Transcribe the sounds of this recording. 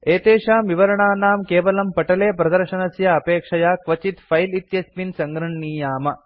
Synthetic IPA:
eːt̪eːʃaːmʋiʋɐɾɐɳaːnaːmkeːʋɐlɐmpɐʈɐleːpɾɐd̪ɐɾʃɐnɐsjɐːpeːkʂɐjaːkʋɐt͡ʃit̪fʰɐjlit̪jɐspinsɐŋɡɾɐɳːiːjaːmɐ

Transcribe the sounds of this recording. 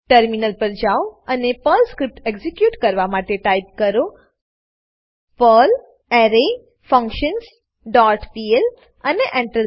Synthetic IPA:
ʈəɾminəlpəɾd͡ʒaoənepəlskɾip̚ʈeɡzikjuːʈkəɾʋamaʈeʈajp̚kəɾo | pəl | ɛɾe | fə̃ŋkʃəns | ɖɔʈpiel | əneʔɛ̃ɳʈəl

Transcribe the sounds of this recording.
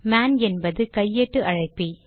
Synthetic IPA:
maːnɛnbɐðɯkɐjːeʈːɯʔɐɻɐɪpːi

